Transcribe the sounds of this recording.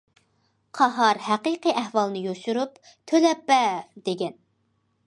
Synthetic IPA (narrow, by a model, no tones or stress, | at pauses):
qʰɑɦɑɾhæqiqiʔæhwɑlˠnɨjoʃuɾup | t̪ʰølɛpːɛd̪eɡʲɛn